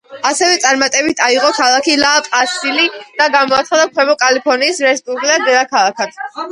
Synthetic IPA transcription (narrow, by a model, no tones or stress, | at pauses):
asɛvɛt̪sʼaɾmat̪ʼɛbit̪ʰaiʁɔkʰalˠakʰilaːpʼasilid̪̥aɡamɔat̪sχad̪akʰwɛbɔkʼalipʰɔɾniːsɾɛspʼublad̪ɛlˠakʰalˠakʰad̪̥ʰ